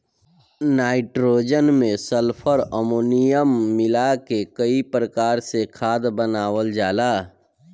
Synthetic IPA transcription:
naːɪʈɾoːd͡ʒənmẽsəlpʰəɾəmoːnijəmːɪlakekəipɾəkaːɾsekʰaːd̪bənaːwəld͡ʒaːlaː

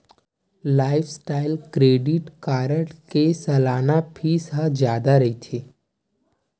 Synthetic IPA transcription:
laːɪfʰsʈaːɪlkɾeːɖɪʈkaːɾəʈkesɐlaːnapʰisɦad͡ʒjaːd̪aɾɐit̪ʰe

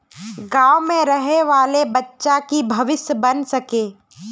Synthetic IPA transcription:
ɡaːwmẽɾɐɦeʋaːlebɐtːʃakibʱɐʋɪsjəbɐnsɐkeː

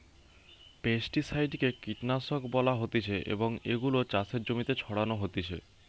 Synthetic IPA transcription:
pesʈisajɖkekiʈnasokbɔlaɦot̪it͡ɕʰeʔḛboŋeɡulot͡ɕasʰeɾd͡ʑomit̪et͡ɕʰɔɽanoɦot̪it͡ɕʰḛ

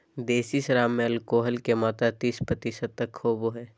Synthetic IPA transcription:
d̪eːsiʃɐɾaːmːẽɐlkoːɦəlkemaːt̪at̪iːspɾət̪isət̪̚ːɐkʰːoːboɦɛː

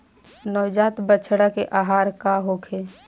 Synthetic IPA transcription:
nɔːd͡ʒaːt̪bət͡ʃʰɽakeʔaːɦaːɾkaɦokʰe

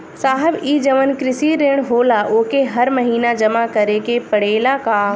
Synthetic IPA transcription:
saːɦəbiːd͡ʒəʋənkɾɪsiɾeːɽ̃ɦoːlaʔoːkeɦɐɾməɦiːnad͡ʒɐmakɐɾekepɐɽeːlakaː

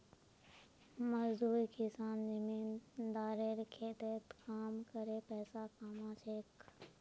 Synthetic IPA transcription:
məzd̪uːɾikɪsaːnd͡ʒəmiːnd̪aːɾeɾkʰeːt̪eːt̪kaːmkəɾepɛːsakamãːt͡ʃʰeːk

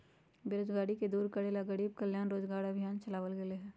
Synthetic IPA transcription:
beɾod͡ʒɡaːɽiked̪uːɾkəɽeːlaɡəɽiːb̚kəljaːnɾoːd͡ʒɡaːɾəbʱijaːnt͡ʃɐlaːʋəlɡeleɦɛ̃ː

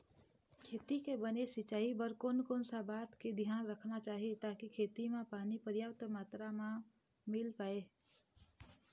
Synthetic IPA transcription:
kʰeːt̪ikebənesɪt͡ʃaːibəɾkoːnkoːnsabaːt̪ked̪ʱijaːnɾəkʰnat͡ʃaːɦet̪aːkikʰeːt̪imẽpaːnipəɾjapt̪maːt̪ɾamã | mɪlpaːeː

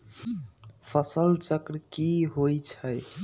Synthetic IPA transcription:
pʰəsəlt͡ʃəkɾkiɦojt͡ʃʰəj

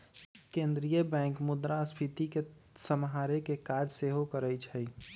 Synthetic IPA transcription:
kẽːnd̪ɾijəbɛ̃ːŋkmʊd̪ɾaspʰit̪ikesəmɦaːɾekekaːd͡ʒseːɦokəɾəjt͡ʃʰɛi

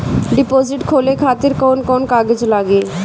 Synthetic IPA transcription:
ɖipod͡ʑiʈkʰolekʰat̪iɾkonkɔnkaɡid͡ʑlaɡe

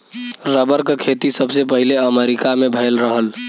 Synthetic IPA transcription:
ɾəbəɾkekʰet̪isəbʱsepəɦileəmeɾikamebʱəlɾəɦəl

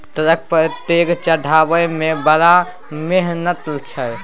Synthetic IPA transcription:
t̪əɾək̚pət̪ekt͡ʃəɖʱabəjmebəɾa | meɦnət̪lt͡ʃʰəj

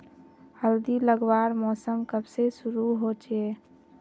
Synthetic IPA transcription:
həld̪iləɡʋaɾmɔsəmkəbsesuɾuɦot͡ʃe

